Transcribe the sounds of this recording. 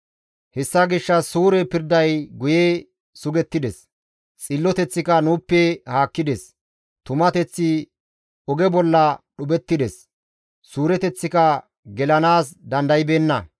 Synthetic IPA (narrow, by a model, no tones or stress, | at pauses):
hɛsːɐɡɪʃːɐsuːɾɛpɪɾd̪ɐjɡʊje | sʊɡɛt̪ːɪd̪ɛs | t͡sʼɪlːɔt̪ɛt͡sːɪkɐnuːpːɛhaːkːɪd̪ɛs | t̪ʊmɐt̪ɛt͡sːɪ | ɔɡɛbɔlːɐɗʊbɛt̪ːɪd̪ɛs | suːɾɛt̪ɛt͡sːɪkɐ | ɡɛlɐnaːsd̪ɐnd̪ɐjɪbeːnːɐ